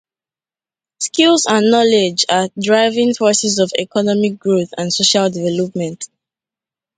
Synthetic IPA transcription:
skilˠsãnːɔled͡ʒadɹaɪvĩŋfɔsizɔvɛ̰kɔnɔmik̚ɡ̥ɹoθã̰nsoʃaldivɛlɔp̚mɛ̃nt

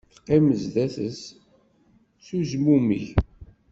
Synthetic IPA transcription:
θqːiməzðæθəs | suzmumiç

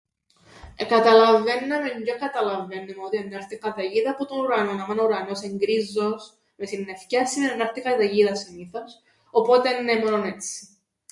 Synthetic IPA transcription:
ekɐt̪ɐlɐvenːɐmeɲɟokɐt̪ɐlɐvenːemot̪ienːɐɾtikɐðɐʝiðɐːpot̪onuɾɐnonɐmɐnuɾɐno̞seŋɡɾizːos | mesinːefcɐsːiðenenɐɾθikɐðɐʝiðɐsiniθos | opot̪enːemoɾonet͡sːi̥

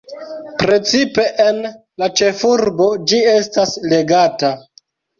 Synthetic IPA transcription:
pɾe̞t͡sipe̞ʔen | lat͡ʃe̞fuɾbo̞d͡ʒie̞stasle̞ɡata

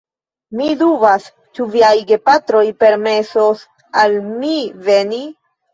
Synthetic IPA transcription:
miduvas | t͡ʃuviajɡe̞pat̪ɾo̞jpe̞ɾme̞sos | almive̞ni

